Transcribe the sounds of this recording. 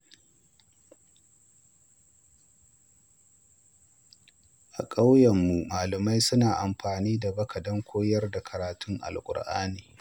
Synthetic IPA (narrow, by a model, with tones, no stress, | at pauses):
ʔa˨kʼa˦wjɐ˨mːu˨maː˨lɐ˨ma˦jsʊ˦naː˨ʔa˨mɸaː˨niː˦da˨bɐ˦kɐ˨dɐ˦ŋkʷʰoː˦jɐ˦rda˨kʰɐ˨ɾaː˨tʊ˦ŋʔa̰˨lkʷʼʊ̰˨ɽʔa̰ː˦niː˨